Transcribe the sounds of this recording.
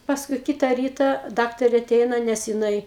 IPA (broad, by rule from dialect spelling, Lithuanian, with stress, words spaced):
pɐsˈkʊɪ ˈkʲɪtɐ ˈrʲiːtɐ ˈdɑːktɐrʲeː ɐˈtʲɛɪnɐ nʲɛs jɪˈnɐɪ